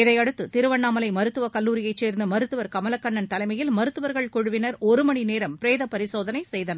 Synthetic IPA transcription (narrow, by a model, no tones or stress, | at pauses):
ɪðɐɪɐɽɯt̪ːɯt̪ɪɾɯʋɐɳːaːmɐlɐɪmɐɾɯt̪ːɯʋɐkɐlːuːɾɪjɐɪt͡ʃːeːɾnd̪ɯmɐɾɯt̪ːɯʋɐɾkɐmɐlɐkːɐɳːɐnt̪ɐlɐɪmɐjɪlmɐɾɯt̪ːɯʋɐɾɣɐɭkɔɻɯʋɪnɐɾɔɾɯmɐɳineːɾɐmpɾeːðɐpɐɾɪsoːðɐnɐɪsɛjðɐnɐ